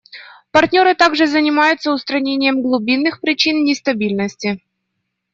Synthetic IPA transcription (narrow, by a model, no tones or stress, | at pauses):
pɐrtʲnʲo̞ɾɨt̪aɡʐɨzənʲɪmajʊt̪səʊst̪ɾɐnʲenʲɪjəmɡlˠʊbʲinːɨxpɾʲɪt͡ɕinnʲɪst̪ɐbʲilʲnəsʲtʲɪ